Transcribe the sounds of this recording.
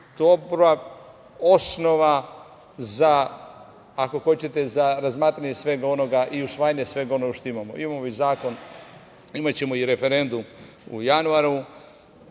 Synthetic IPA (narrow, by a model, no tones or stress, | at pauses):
t̪opɾʋa | o̞sno̞ʋa | zaː | ko̞xo̞t͡ɕe̞t̪e̞zaɾazmaːt̪ɾaɲe̞sʋe̞ɡao̞no̞ɡaʔiusʋaːjaɲesʋe̞ɡao̞no̞ɡaʃt̪o̞imamo̰ʔimamoizaːko̞n | imat͡ɕe̞mo̞iɾe̞fe̞ɾe̞nd̪um | ṵjanuaɾu